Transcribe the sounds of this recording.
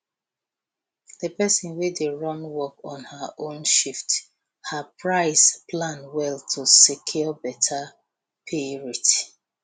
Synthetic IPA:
ðəpɛsɔ̃nwedeɹɔ̃nwɔkɔ̃nhəʔõnʃift | hapɹaɪsplãnwɛltʰusikʰjɔɔbɛtʰa | pʰiɹit

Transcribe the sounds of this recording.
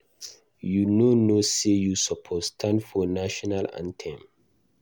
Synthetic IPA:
junonosejusɔpʰɔstʰãnfɔnaʃɔnalã̰ntʰɛ̃m

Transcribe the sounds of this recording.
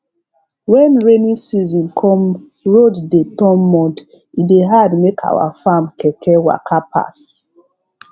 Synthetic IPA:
wɛ̃nɹenĩsizɔ̃nkʰɔ̃m | ɹoddetɔ̃mːɔ̃nt | ideɦadmekʰa̰wa̰fãmkɛkʰɛwa̰kʰapʰa̰s

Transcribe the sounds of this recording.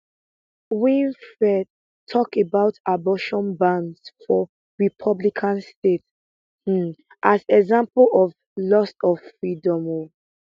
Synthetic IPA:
wĩnfɹɛd̚ | tʰɔkebaʊtabɔʃɔ̃nbãndsfɔ | ɹipʰʌblikʰãnstet̩ | ʔazɛɡzãmpəlɔv | lɔstɔv̥fɹidɔ̃mo

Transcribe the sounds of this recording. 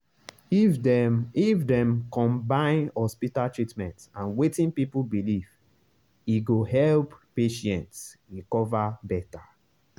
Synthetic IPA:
ifdɛ̃mkɔ̃mbãɪ̃nhɔspitaltɹitmɛ̃ntãnwetĩnpipubiliv | iɡoɦɛlppeʃɛ̃ntsikɔvabɛta

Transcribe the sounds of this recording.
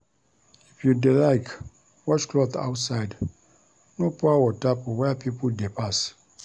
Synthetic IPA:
ifjudilaɪk | wɔt͡ʃklɔθa̰ʊtsaɪd | nopɔawɔtapɔwɛpʰipʰoldepʰas

